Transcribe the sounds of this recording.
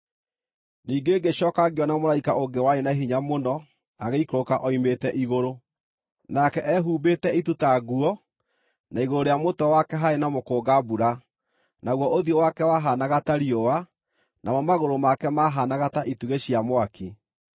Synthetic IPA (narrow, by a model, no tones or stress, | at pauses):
niːɡeːɡeɕɔːkaɡeɔnamoɾaikaʔoŋɡewaɾenaeɦiɲamonɔ | aɣeikɾokaʔɔimetɛʔiɣoɾo | nakɛʔɛɦuːbeːtɛitutaɣuɔ | naiɣoɾoɾejamotɔwakɛɦaenamokoːɡabuɾa | naɣwɔʔoðjɔwakɛwaɦanaɣataɾiowa | nʔamɔmaɣoɾomakɛmaɦanaɣataʔituɣeɕiamwaki